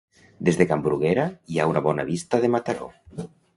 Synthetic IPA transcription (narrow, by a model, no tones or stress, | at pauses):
d̪ezðekambɾuɣeɾaiaunaβɔnaβist̪aðemat̪aɾo̰